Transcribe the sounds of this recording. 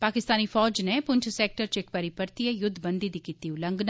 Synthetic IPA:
paːkɪst̪aːniːpʰɔːd͡ʒneːpʊɲt͡ʃʰsɛːk̚ʈəɾt͡ʃɪk̚pəɾɪpəɾt̪ijajʊd̪ʱːbənd̪iːd̪iːkiːt̪iːʊlə̃ŋɡna

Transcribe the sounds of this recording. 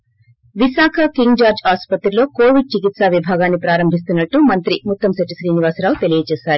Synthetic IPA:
ʋisaːkʰɐkiŋɡd͡ʒaːɾd͡ʒaːspɐt̪ɾilo̞ːko̞ːʋiɖ̚t͡ʃikit̪saːʋibʱaːɡaːnːipɾaːɾɐmbʱis̬t̪unːɐʈːumɐnt̪ɾimut̪ːɐmsɐʈːisɾiːniʋaːsɾaːwut̪e̞lijɐt͡ʃeːsaːɾu

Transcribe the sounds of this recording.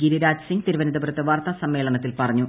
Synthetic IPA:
ɡiɾiɾaːd͡ʑsiŋɡt̪iɾuʋɐnid̪ɐbɾɐt̪ːɨʋaːrt̪ɐsɐmːe̞ːɭɐɳɐt̪ːilpɐrɐɲːu

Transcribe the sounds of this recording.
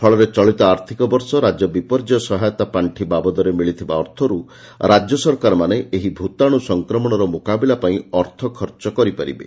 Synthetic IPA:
pʰɔɭɔɾet͡ʃɔɭit̪ɔaɾt̪ʰikɔbɔɾsɔɾad͡ʒɔbipɔɾd͡ʒɔsɔɦajɔt̪apaɳʈʰibabɔd̪ɔɾemiɭit̪ʰibaɔɾt̪ʰɔɾu | ɾad͡ʒjɔsɔɾkaɾɔmaneʔeɦibʱut̪aɽ̃usɔŋkɾɔmɔɽ̃ɔɾɔmokabilapaĩɔɾt̪ʰɔkʰɔɾt͡ʃɔkɔɾipaɾḭbḛ

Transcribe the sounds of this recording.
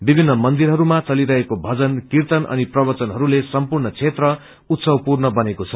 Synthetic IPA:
bibʱinːʌmʌnd̪iɾɦʌɾumat͡sʌliɾʌɦekobʱʌd͡zʌnkirt̪ʌnʔʌ̰niprʌbʌt͡sʌnɦʌɾulesʌmpurnʌt͡sʰet̪rʌ | ut̪sʌwpurnʌbʌnekot͡sʰʌ

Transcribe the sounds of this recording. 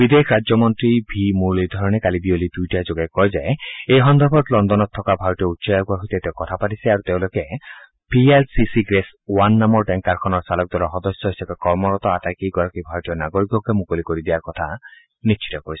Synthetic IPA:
bid̪ekʰɾad͡ʒjɔmɔnt̪ɾibʱimulid̪ʱɔɾɔɽ̃ekalibiolid̪ujʈad͡ʒoɡaek̚kɔɦid͡ʒaeejɦɔnd̪ʱɔɾbɔt̪lɔnd̪ɔnɔt̪ʰːɔkabʱaɾtiɔut̪ːsɔjakuaɦot̪et̪ewkɔt̪ʰapaʈisiaɾut̪ew̃loke | pʰielsisiɡɾes | wanːamɔɾʈeŋkaɾkʰɔnɔɾsalɔk̚d̪waɾɔɦɔd̪ɔsjɔɦisapekɔɾmɔɾɔt̪ɔat̪ajkikɔɾɔkibʱaɾɔʈijɔnaɡoɾikɔkemukolikoɾid̪iaɾkɔt̪ʰa | nit͡ʃʰi̥t̪ɔkɔɾisi̥

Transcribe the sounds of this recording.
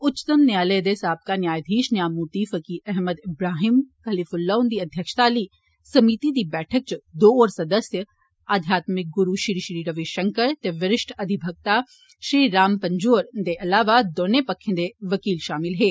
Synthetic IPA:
ʊt͡ʃːt̪əmnjaːleːd̪eːsaːb̚kanjaːjd̪ʱiːʃnjaːmuːt̪iːfəkiʔɛɦməd̪ɪbɾaːɦiːmkɐlifʊlːoːnd̪iːɐd̪ʱjəkʃt̪aːliː | sɐmiːt̪id̪ibɛːʈʰək̚t͡ʃd̪oːɔːɾsɐd̪əsjə | aːd̪ʱjaːt̪mɪk̚ɡʊɾuʃɾiʃɾiːɾɐʋiʃɐ̃ŋkəɾt̪eʋɪɾɪʃʈʰɐd̪ʱɪbʱəɡ̚t̪a | ʃɾiːɾaːmpɐ̃ɲd͡ʒoːɾd̪eʔɐlaːʋad̪oːnepɐkʰːẽnd̪eʋɐkiːlʃaːmɪlɦeː

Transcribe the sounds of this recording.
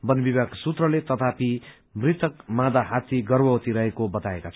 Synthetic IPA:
bʌnbibaɡsut̪rʌlet̪ʌt̪api | mrit̪ʰʌkmãd̪aɦat̪iɡʌrbʌwʌt̪iɾʌɦekobʌt̪aekat͡sʰ

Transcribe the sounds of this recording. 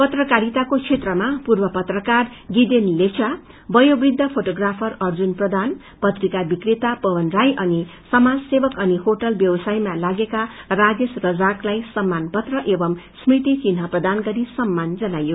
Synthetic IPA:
pʌt̪rʌkaɾit̪akot͡sʰet̪rʌmapurbʌpʌt̪rʌkarɡid̪enlet͡sa | bʌjobrid̪ʱːʌpʰoʈoɡrapʰʌrʌrd͡zunprʌd̪an | pʌt̪rikabikrit̪apʌwʌnrajʔʌnisʌmad͡zsebʌkʌnihoʈʌlbjʌbʌsajmalaɡekarad͡zesrʌd͡zaklajsʌmːanpʌt̪rʌʔebʌmsmit̪ikinɦʌprʌd̪anɡʌɾisʌmːand͡zʌnajo

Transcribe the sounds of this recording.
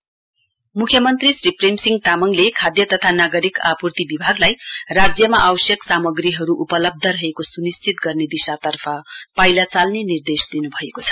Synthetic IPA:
mukʰjʌmʌnt̪risriprimsiŋɡ̚t̪amʌŋlekʰad̪jʌt̪ʌt̪ʰanaɡʌɾikapurt̪ibibʱaɡlajrad͡zjʌmaʔawsjʌksamʌɡriɦʌɾuʔupʌlʌb̚d̪ʱʌɾʌɦekosunist͡sit̪̚ɡʌrned̪isat̪ʌrpʰʌpajlat͡salnenird̪esd̪inubʱʌekot͡sʰʌ̥

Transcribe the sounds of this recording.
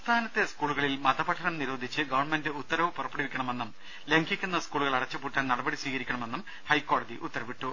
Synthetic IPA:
st̪ʰaːnɐt̪ːeskuːɭuɣɐɭilmɐd̪ɐpɐʈʰːɐnɐmniɾo̞ːd̪ʱit͡ɕːɨɡɐʋɐrɳme̞ndɨut̪ːɐɾɐʋɨpurɐpːɐɽiʋikʲːɐɳɐme̞nːum | leŋɡikʲːunːɐskuːɭuɣɐɭɐɽɐt͡ɕːɐpuːʈːaːnnɐɽɐbɐɽisʋiːɣɐɾikʲːɐɳɐme̞nːum | hɐjkːo̞ːɽɐd̪iʔṵt̪ːɐɾɐʋiʈːu

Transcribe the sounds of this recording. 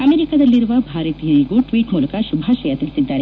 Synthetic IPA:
ɐmeːɾikad̪ɐlːiɾuʋɐbʱaːɾɐt̪ijɐɾiɡuʈʋiːʈmuːlɐkɐʃubʱaːʃɐjɐt̪ilisid̪ːaːɾe

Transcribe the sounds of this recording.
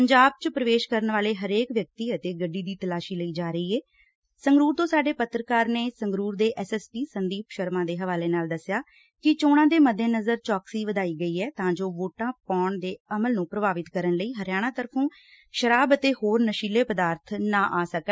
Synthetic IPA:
pəɲd͡ʒaːb̚t͡ʃpɾəʋeːʃkəɾənʋaːleːɦəɾeːkʋjək̚t̪iːət̪eːɡəɖːiːd̪iːt̪əlaːʃiːləiːd͡ʒaːɾəiːɛː | səŋɡɾuːɾt̪õːsaːɖeːpət̪ɾəkaːɾneːsəŋɡɾuːɾd̪eːʔɛːsɛːspiːsənd̪iːpʃəɾmãːd̪eːɦəʋaːleːnaːld̪əsjaː | kɪt͡ʃoːɽ̃ãːd̪eːməd̪ʱẽːnəzəɾt͡ʃɔːksiːʋəd̪aːiːɡəiːɛːt̪ãːd͡ʒoːʋoːʈãːpaːɳd̪eːəməlnũːpɾəbaːʋɪt̪kəɾənləiːɦəɾjaːɽ̃ãːt̪əɾpʰũː | ʃəɾaːbət̪eːhoːɾnəʃiːleːpəd̪aːɾt̪ʰnãːʔaːsəkɛ

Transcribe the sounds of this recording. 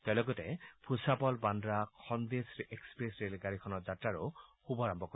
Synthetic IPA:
talɔɡɔtepʰusapɔlbandɾaxʰɔnd̪eseksɔ̥pɾesɾelɡaɾikʰɔnɔɾd͡ʒatɾaɾuxubɔɾambɔko

